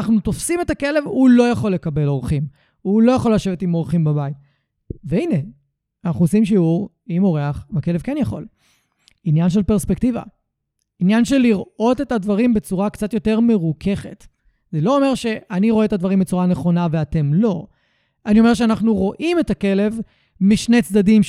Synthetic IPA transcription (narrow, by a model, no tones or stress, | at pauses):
naχnut̪ofsime̞take̞le̞vhulo̞jaχo̞lːe̞kɐbe̞lo̞ʁχim | ulo̞jaχo̞lːaʃe̞vetimo̞ʁχimbabait | veine̞ | anaχnuosimʃiuʁ | imo̞ʁeaχmake̞levkenjaχo̞̰l | injanʃ̬e̞lpeʁspek̚tiva̰ | injanʃe̞lːiʁo̞te̞tadvaʁimbe̞t͡suʁakt͡sat̪jo̞te̞ʁme̞ʁukʰe̞χe̞t | zelo̞ome̞ʁʃe̞ʔaniʁo̞eetad̪vaʁimbet͡suʁane̞χo̞naveate̞mlo̞ | anio̞me̞ʁʃ̬eanaχnuʁo̞ʔime̞take̞le̞v | miʃnet͡sd̪adim